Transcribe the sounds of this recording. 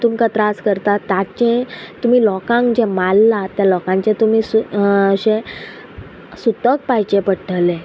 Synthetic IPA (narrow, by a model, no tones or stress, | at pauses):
t̪umkat̪ɾaskəɾt̪at̪ːat͡ɕẽt̪um̤iːlɔkãŋkd͡ʑẽmalːat̪jalɔkãɲt͡ɕet̪um̤iːsuɕẽ | sut̪ək̚pajt͡ɕẽpəɽʈʰle